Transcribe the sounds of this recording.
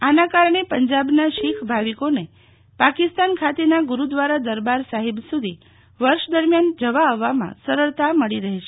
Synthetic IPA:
anakaɾɳ̃epəɲd͡ʒabnaʃikʰbʱaʋikone | pakist̪ankʰat̪enaɡuɾud̪ʋaɾad̪əɾbaɾsaɦibsud̪ʱi | ʋəɾʃd̪əɾmjand͡ʒəʋaːʋːamã̰səɾəɭt̪aməɭiɾəɦiʃʰe

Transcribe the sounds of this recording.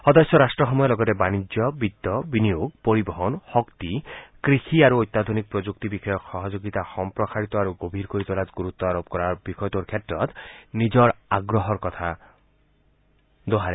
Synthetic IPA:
xɔd̪ɔsjɔɾasʈɾɔxɔmɔjɔlɔɡɔt̪ebanid͡ʒɔbid̪ːɔbinijoɡpoɾibɔɦɔnxɔkt̪ikɾixiaɾuojt̪ːad̪ʱonik̚pɾɔd͡ʒuk̚t̪ibixɔjɔkxɔɦɔd͡ʒoɡit̪axɔmpɾɔkaɾit̪ɔaɾuɡobʱiɾkoɾit̪ɔlat̪ɡuɾut̪ːɔaɾob̚kɔɾaɾbikʰɔjɔt̪oɾkʰjetɾɔt̪nid͡ʒɔɾaɡɾɔɦɔɾkɔt̪ʰa | d̪oɦaɾe

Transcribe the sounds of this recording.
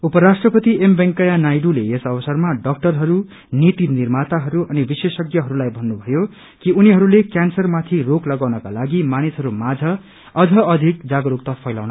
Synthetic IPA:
upʌɾasʈrʌpʌt̪iembeŋkʌjanajɖuleesʌbʌsʌrmaɖʌk̚ʈʌrɦʌɾu | nit̪inirmat̪aɦʌɾuʌnibisesʌɡjʌɦʌɾulajbʱʌnːubʱʌjo | kiuniɦʌɾulekjansʌrmat̪ʰiroklʌɡawnʌka̰laɡimanisɦʌɾumad͡zʱʌ | ʌd͡zʱʌʌd̪ʱik̚d͡zaɡʌɾuk̚t̪ʌpʰʌjlawnʌ

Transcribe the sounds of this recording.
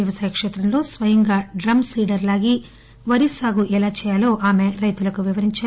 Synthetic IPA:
iʋɐsaːjɐkʂɛːt̪ɾɐnlo̞ːsʋɐjiŋɡaːɖɾɐmsiːɖɐɾlaːɡi | ʋɐɾisaːɡuʔɛlaːt͡ʃɛːjaːloːʔaːmeɾɐjt̪ulɐkuʋiʋɐɾiɲt͡ʃaː

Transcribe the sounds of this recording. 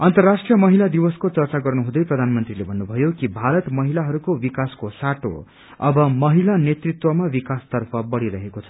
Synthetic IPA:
ʌnt̪ʌrːaʂʈrijʌmʌɦilad̪iwʌskot͡sʌrt͡saɡʌrnuɦũd̪ʌjprʌd̪ʱanmʌnt̪rilebʱʌnːubʱʌjokibʱaɾʌt̪mʌɦilaɦʌɾukobikaskosaʈo̰ | ʌbʌmʌɦilanet̪rit̪wʌmabikast̪ʌrpʰʌbʌɽiɾʌɦekot͡sʰʌ̥

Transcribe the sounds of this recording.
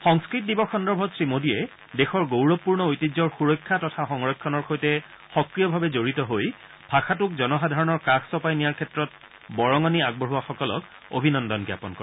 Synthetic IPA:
xɔŋskɹit̚dibɔxɔndɔɹbʱɔtsɹimodiɛ | dexɔɹɡowɹɔpːuɹnɔojtid͡ʑzɔɹxuɹɔkʰːatɔtʰaxɔŋɹɔkʰːɔnɔɹxʰojtɛ | xɔkɹijɔbʱabɛzoɹitɔɦoj | b̥ʱaxatʊk̚zɔnɔxadʱaɹɔnɔɹkaxsɔpajnijaɹkʰɛtɹɔt̚ | bɔɹɔŋɔniaɡ̚bɔɦuwaxɔkɔlɔ̰k | o̰bʱinɔndɔnɡja̰pɔnkɔɹ

